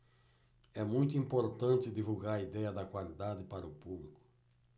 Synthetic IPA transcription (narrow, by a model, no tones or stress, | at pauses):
ɛmũj̃t̪ʊĩmpoɾt̪ɐ̃nt̪ɪd̪ivuɡaɾɐid̪ɛjɐd̪ɐkwalid̪ad̪ɪpaɾɐʊpublikʊ̥